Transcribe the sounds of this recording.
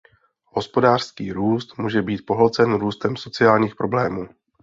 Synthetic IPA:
ɦo̞spo̞daːr̥skiːɾuːst̪muːʒɛbiːt̪̚po̞ɦlɔt͡sɛnɾuːst̪ɛmso̞t͡sɪaːlɲiːxpɾo̞blɛːmuː

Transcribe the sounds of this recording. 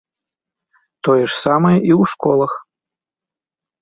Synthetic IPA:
t̪ɔjɛʂsamɐjɛʔiwʂkɔlˠɐx

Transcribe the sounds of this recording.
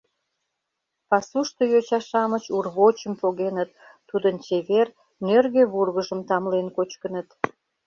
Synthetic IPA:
pɑsuʃt̪ojot͡ɕɑʃɑmət͡ɕurβot͡ɕəmpoɣenət̪ː | ud̪ənt͡ɕeβer | nørɣeβurɣəʒəmt̪ɑmlenkot͡ɕkənət̪

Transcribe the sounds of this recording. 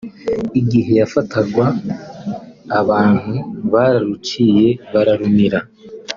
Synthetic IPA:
iɡiɦe̞jafataɡwa | βaːn̥huβaɾaɾucije̞βaɾaɾumiɾa

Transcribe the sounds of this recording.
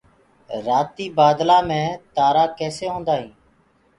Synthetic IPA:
ɾaːt̪iːbaːd̪laːmẽːt̪aːɾaːkeːseːɦõːnd̪aːɦĩː

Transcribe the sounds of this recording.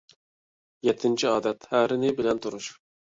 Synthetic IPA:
jɛt̪ʰːɪnt͡ʃʰiɑːd̪ɛt̪hæɾɪnɪbɪlɛnt̪ʰuɾuʃ

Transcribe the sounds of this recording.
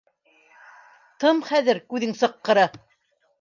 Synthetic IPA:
t̪ɤmχæðɘɾkʉðɘŋsɤ̆qːɤ̆ɾɤ

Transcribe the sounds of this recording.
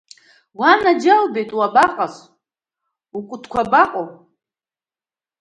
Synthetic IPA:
wanad͡ʒalbejtʼwabaqʼas | ukʷʼʊtʰkʷʰabaqʼo

